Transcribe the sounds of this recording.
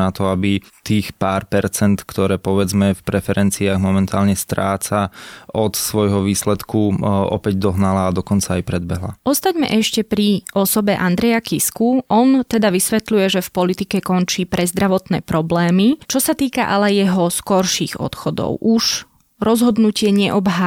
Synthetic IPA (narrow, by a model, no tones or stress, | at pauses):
at̪ɔabi | t̪iːxpaːɾpɛɾt͡sɛnt̪kt̪ɔɾɛːpɔʋɛd͡zmɛfpɾɛfɛɾɛnt͡siaːɣmɔmɛnt̪aːlɲɛst̪ɾaːt͡saɔt̪sʋɔjɦɔʋiːslɛt̪kʰuɔ̰pɛɟd̪ɔɦnalaːd̪ɔkɔnt͡saːjpɾɛd̪̚bɛɦla̰ʔɔst̪aɟmɛ̰ʔɛʃcɛpɾiɔsɔbɛʔand̪ɾɛjakiskuʔɔnt̪ɛd̪aʋisʋɛt̪lujɛʒɛfpɔlit̪ikɛkɔnt͡ʃiːpɾʔɛzd̪ɾaʋɔt̪nɛ̰ːpɾɔblɛːmit͡ʃɔsat̪iːka̰ʔalɛjɛɦɔskɔɾʃiːɣɔ̰t̪xɔd̪ɔ̰ʊʔuʒ | ɾɔzɦɔd̪nucɪɛɲɛʔɔbɦa